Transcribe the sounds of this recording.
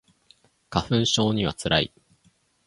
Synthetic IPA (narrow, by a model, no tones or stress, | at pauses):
kaɸɯ̟̃ɰ̃ɕo̞ːɲ̟iβa̰t͡sɨɾʔaḭ